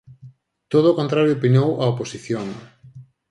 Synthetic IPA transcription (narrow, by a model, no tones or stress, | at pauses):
t̪oðoːkont̪ɾaɾjopinowʔɐoposiθjoŋ